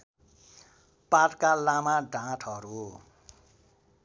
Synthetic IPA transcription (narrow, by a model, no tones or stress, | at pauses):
patkalamaɖãʈʰɔɾo